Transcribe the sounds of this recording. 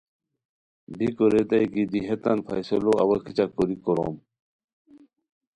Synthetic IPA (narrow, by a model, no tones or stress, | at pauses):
bikoɾed̪ajkid̪iɦet̪anpʰa̰jsoloɐwɐkʰit͡ɕakoɾikoɾo̰m